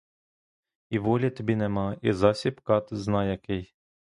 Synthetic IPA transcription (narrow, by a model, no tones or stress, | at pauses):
iʋɔlʲɐt̪ɔbʲinɛmɑizɑsʲipkɑt̪znɑjɐkɪj